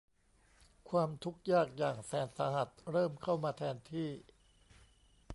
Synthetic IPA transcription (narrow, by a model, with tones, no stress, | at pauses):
kʰwaː˧mt̪ʰu˦˥k̚jaː˥˩k̚jaː˨˩ŋsɛː˩˦nsa˧ha˨˩t̪̚ɾɤː˥˩mkʰa˥˩wmaː˧t̪ʰɛː˧nt̪ʰiː˥˩